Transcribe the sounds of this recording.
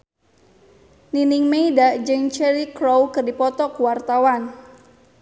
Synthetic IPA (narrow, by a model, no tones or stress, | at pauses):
ninɪŋmeidad͡ʒəŋt͡ʃɛɾikɾowkɨrdipɔt̪ɔkuwart̪awan